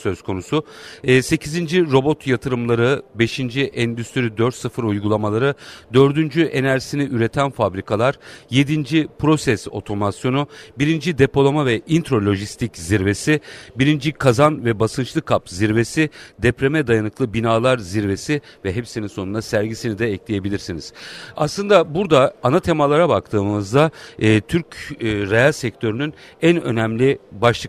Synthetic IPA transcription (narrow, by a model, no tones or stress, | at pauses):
sø̞z̥kʰo̞nusʊːse̞cʰizind͡ʒiɾo̞bo̞t̪jat̪ʰɯɾɯmlˠaɾɯbe̞ʃind͡ʒiʔɛnd̪yst̪ʰiɾid̪øɾt̪sɯfɯɾujɡulˠamalˠaɾɯd̪ø̞ɾd̪ynd͡ʒyʔe̞næɾsiniʔyɾe̞t̪ʰænfabɾikʰalˠaɾje̞d̪ind͡ʒipʰɾo̞sɛso̞̰t̪ʰo̞masjo̞nubiɾind͡ʒid̪e̞po̞lˠamavɛʔint̪ɾo̞lʲo̞ʒist̪ʰicziɾve̞sɪbiɾind͡ʒikʰazanvɛbasɯnt͡ʃlˠɯkʰapziɾve̞sid̪ɛpɾe̞mɛd̪ajanɯklˠɯbinaːlˠaɾziɾve̞si | vɛɦepsininso̞nund̪asæɾɟisinid̪ɛːclʲije̞bilʲiɾsiniz̥aslˠɯnd̪abuɾd̪aːnat̪ʰe̞malˠaɾabak̚t̪ʰɯːmɯzd̪aɯːt̪ʰyɾcːɾejalʲsɛct̪ʰø̞ɾynyn | ænø̞̰næmlʲibaʃlˠɯk